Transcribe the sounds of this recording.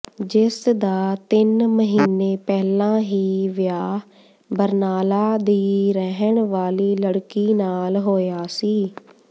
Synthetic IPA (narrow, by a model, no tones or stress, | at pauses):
d͡ʒɪsd̪aːt̪ɪnməɦiːneːpɛːlãːɦiːʋɪjaː | bəɾnaːlaːd̪iːɾəɦəɳʋaːliːləɽkiːnaːlɦoːjaːsiː